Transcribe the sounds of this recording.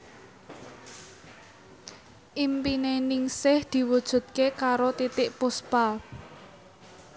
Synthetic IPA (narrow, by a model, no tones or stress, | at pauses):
ʔimpinenɪŋsɪhd̪̥i̤wud̥ʒ̥ṳt̪̚kekaɾot̪it̪ɪʔpʊspal